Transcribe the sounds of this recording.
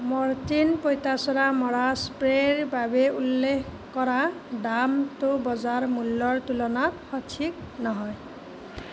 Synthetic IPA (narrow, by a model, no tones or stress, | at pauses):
mɔɹtinpojtasɔɾamɔɹaspɹeɹbabeulːekʰ | kɔɾadamt̪obɔzaɹmulːɔɹt̪ulɔnatxɔtʰiknɔɦɔj